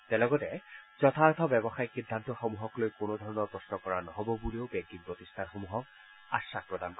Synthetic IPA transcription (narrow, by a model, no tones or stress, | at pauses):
tɛlɔɡɔtɛzɔt̪ʰat̪ʰɔbɛbɔxajxidʱːantɔxɔmuɦɔklojkonod̪ʱɔɹɔnɔɹpɹɔsnɔkɔɹanɔɦɔbɔbuliobɛɡinpɹot̪istʰanxomuɦɔk̚ | asak̚pɹɔd̪ank